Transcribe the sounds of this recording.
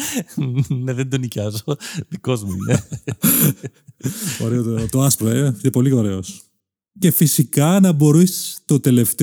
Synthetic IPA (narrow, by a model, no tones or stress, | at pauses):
neðend̪onicɐzoðikozmuḭne | o̰ɾeot̪ot̪oɐspleinepo̞lioɾe̞os | ce̞fisikɐnɐbo̞ɾisst̪ot̪e̞le̞ft̪e